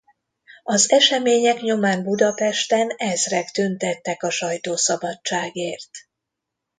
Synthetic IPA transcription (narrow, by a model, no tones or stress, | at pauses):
ɒzɛʃɛmeːɲɛkɲo̞maːnbud̪ɒpɛʃt̪ɛnɛzrɛkt̪ynt̪ɛt̪ːɛkɒʃɒjt̪oːsɒbɒt͡ʃːaːɡeːrt̪